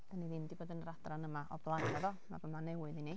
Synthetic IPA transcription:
d̥aniðɪmdiboːdənrad̥ranəmaʔɔblˠajaðɔma̰vəmanɛwɨðini

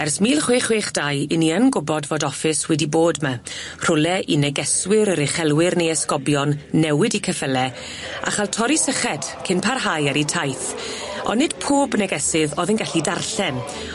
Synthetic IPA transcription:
ɛrsmiːlˠχweːχweːχd̥ajɪniənɡʊbɔdvoːdɔfɪswɛdiboːdma | r̥ʊlɛʔinɛɡɛswɪɾəɾɛχɛlˠwɪrnejɛskɔbjɔnːɛwɪdikʰəfəlɛ | a̰χalˠtʰɔɾisəχɛd̥kʰɪnpʰarɦajaɾitʰajθ | ɔ̰nːɪd̥pʰoːbnɛɡɛsɪðɔðənɡaɬidarɬɛm

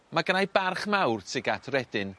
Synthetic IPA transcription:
maɡənajbarχmawrtʰɪɡatʰrɛdɪn

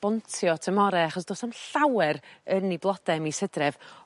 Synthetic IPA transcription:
b̥ɔntʰjɔtʰəmɔɾɛaχɔsd̥oːsɔnɬawɛɾənːiblˠɔd̥ɛmisədrɛv̥

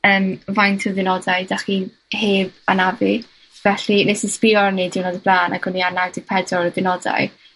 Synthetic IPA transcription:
əːmvajntʰɪðɪnɔdajd̥aχi | heːbanavi | vɛɬinesɪspɪɔrnidɪwnɔdəblaːna̰ɡʰʊnianadipʰɛdrɔɾəðɪnɔda̰j

